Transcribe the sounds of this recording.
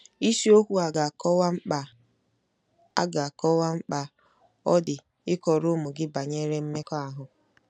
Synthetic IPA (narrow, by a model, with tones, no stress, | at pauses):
i˦si˦o˦kʷu˦a˨ɡa˨kɔ˦wa˦m̩˦k͡pa˨ | a̰˦ɡa˨a˨kɔ˦wa˦ŋ͡m̩˦k͡pa˦ | ɔ˦dɪ˨ | ɪ˦kɔ˨ɾʊ˦mʊ˨ɡɪ˦ba˨ɲe˦ɾe˦m̩˦me˦kɔ˦a˨ɦʊ˨